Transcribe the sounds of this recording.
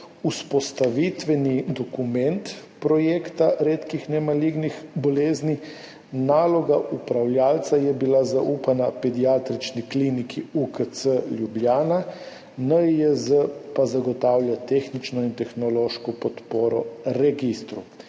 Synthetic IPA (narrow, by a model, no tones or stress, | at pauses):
uspɔst̪aʋit̪ʋɛnid̪ɔkumɛnt̪pɾɔjekt̪aɾeːt̪kixnɛmaliɡnixbɔleːzni | naːlɔɡaʔupɾawlʲjaːlt̪sajɛbilazaʔuːpanapɛd̪iat̪ɾit͡ʃniklinikʰiukət̪səlʲjublʲjaːna | nəəzəpazaɡɔt̪aːwlʲjat̪exnit͡ʃnɔint̪ɛxnɔloːʃkɔpɔt̪poːɾɔɾɛɡist̪ɾu